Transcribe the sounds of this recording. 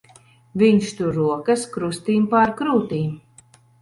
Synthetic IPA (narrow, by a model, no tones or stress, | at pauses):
vʲiɲʃt̪uɾuɔkɐskɾust̪iːmpaɾkɾuːt̪iːm